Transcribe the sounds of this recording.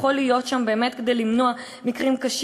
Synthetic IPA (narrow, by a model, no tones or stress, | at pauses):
χo̞lijo̞tʃambe̞ːme̞t̪ked̪e̞jlimno̞a | mikʁimkaʃ